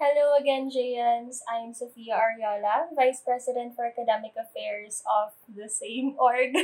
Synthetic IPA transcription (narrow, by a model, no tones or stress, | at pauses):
hɛlowɐɡɛnd͡ʒejɐnsɐjmsofiːɐʔɐɹijoːlɐvajspɹɛsɪd̪ɛ̃nt̪̚fɔɹɐkɐd̪ɛmɪkɐfɛɹsɔfd̪ɐsẽɪmʔɔɹɡ